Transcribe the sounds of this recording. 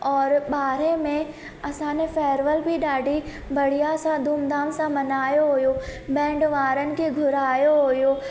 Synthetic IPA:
ɔːɾɓaːɾemẽ | ɐsãːnefɛːɾʋəlbʱiɗaːɖʱi | bɐɽ̤ijasãd̪ʱuːmd̪aːmsãmɐnaːjoɦojobɛ̃ːɳɖʋaːɾənɪ̆kʰeɡʱʊɾaːjoɦojo

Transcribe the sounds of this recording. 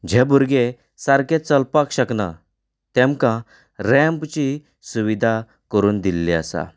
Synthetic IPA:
d͡ʑɛbuɾɡe | saɾkẽt͡səlpakɕəkna̰ | t̪ɛ̃mkã | ɾɛ̃mpt͡ɕi | suʋid̪ʱa | kəɾuːnd̪ilːiə̰sa̰

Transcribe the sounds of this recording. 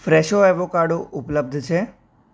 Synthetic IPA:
fɾeʃoɛʋokaɖoʔʊpləb̚d̪ʱt͡ʃʰe

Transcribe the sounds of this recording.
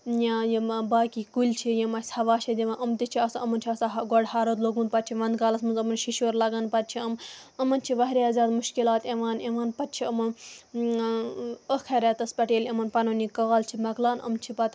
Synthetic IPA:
jãjimbaːkikulʲt͡ʃʰijemɐsʲɐʋaːʃʰɐd̪ʲiʋɐnʔɐmt̪it͡ʃʰiɐsɐmɐnt͡ʃʰiɐsaɦɡɔɖhaːɾot̪loɡunpɐt̪̚t͡ʃʰiʋɐnd̪kaːlɐsmɐnzɐmɐnʃiʃoːɾlɐɡɐnpɐt̪̚t͡ʃʰiɐm | ɐmɐnt͡ʃʰiʋɐɦɾʲjaːzʲaːd̪muʃkilaːt̪eʋaːneʋaːnpɐt̪̚t͡ʃʰiɐmɐn | əkʰɐɾʲɛt̪ɐspɐʈeːlemɐnpɐnonikaːlt͡ʃʰimɐklaːnɐ̰mt͡ʃʰipɐt̪

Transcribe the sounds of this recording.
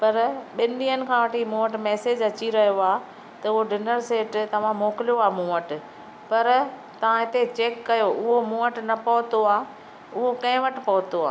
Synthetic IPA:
pɐɾɓɪnɗiːənɪ̆kʰãːʋɐʈʰiːmũːəʈmɛːsed͡ʑɐt͡ɕiɾɐɦijoaː | t̪ɐʊɦoɖɪnəɾseːʈt̪ɐʋ̤ãmoːkɪlijoaːmũːəʈ | pɐɾ | t̪ɐʋ̤ãɦɪt̪et͡ɕeːkːɐjoʔʊɦomũːəʈnɐpɐɦʊt̪oaː | ʊɦokɐ̃ɦɪ̃ʋɐʈɪ̆pɐɦʊt̪oa̰ː

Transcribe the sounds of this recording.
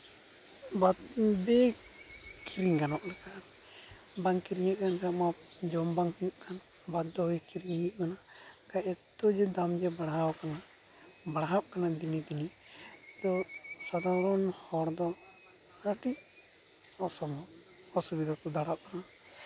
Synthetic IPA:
bad̪bɛ | kʰiɾiŋkanɔʔlɛkan | baŋkiɾiɲakankama | d͡ʒɔmbaŋʔkʰan | bad̪ːɔɦujkiɾiŋhiʔkana | kaʔɛt̪ːɔd͡ʒɛd̪amd͡ʒɛbaɽaɦawkana | baɽaɦaʔkanad̪inid̪ini | t̪ɔsad̪aɾɔnhɔɾd̪ɔ | aʈi | ɔsɔmɔ | ɔsubid̪ɔt̪ɔd̪aɾaʔ̚kana

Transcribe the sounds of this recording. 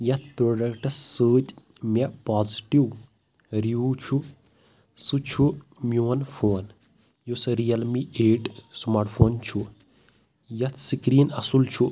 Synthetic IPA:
jɐt̪̚ʰpɾoːɖɐkʈɐsːəːt̪ʲ | mepaːziʈiw | ɾiut͡ʃʰu | sɨt͡ʃʰumʲjoːɐnfʰoːn | jusɾijɐlmieːɖsmaːɾʈfʰoːnt͡ʃʰu | jɐt̪ʰsikɾiːnɐsult͡ʃʰu

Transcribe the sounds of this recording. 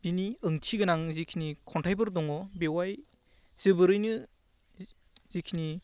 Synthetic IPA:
biniɯŋtʰiɡɯnaŋzikʰinikʰɔntʰajbɯɾdɔŋɔbewaj | z̥ɯbɯɾɯjnɯ | zikʰini

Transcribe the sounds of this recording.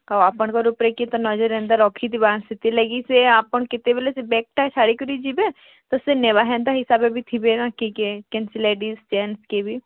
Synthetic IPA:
aaːpəɳkɔɾupɾekit̪onɔd͡ʒəɾɛ̃ːnd̪aɾɔːkʰid̪ibãːnsit̪ilɐɡiseaːpəɳkɪt̪ebelesebɛːk̚ʈat͡ʃʰaːɽikuɾid͡ʒibe | t̪oseneʋaɦɛ̃ːnd̪aɦɪsaːbebʱit̪ʰibenãkikekẽnsileːɖist͡ʃɛːnskebʱi

